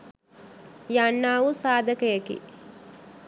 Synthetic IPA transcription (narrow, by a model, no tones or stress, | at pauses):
janːaːʋusaːd̪ɐkɐjɐkḭ